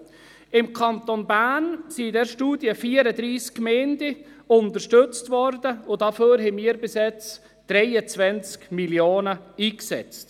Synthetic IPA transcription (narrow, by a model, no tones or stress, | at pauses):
ɪmkʰɑnt̪onbænsidɛːɾʃtuːdjəfiːəɾədɾiːskːmɛndə | ʊntəʃtʏt͡stvɔɾdəʊd̥ɑføːɾɦɛmiːəɾbɪsɛt͡s | d̥ɾɛɪət͡svɛnt͡skmiljoːnəiːksɛ̰t͡st